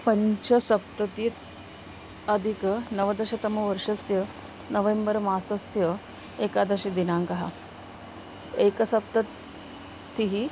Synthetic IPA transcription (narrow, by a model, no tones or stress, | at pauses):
pɐɲt͡ʃɐsɐp̚t̪ɐt̪it̪ | ɐd̪ʱikɐnɐʋɐd̪ɐʃɐt̪ɐmɐʋɐɾʂɐsjɐ | nɐʋembɐɾmaːsɐsjɐ | eːkaːd̪ɐʃɐd̪inaːŋkɐɦɐ̰ | eːkɐsɐp̚t̪ɐ | t̪ːiɦi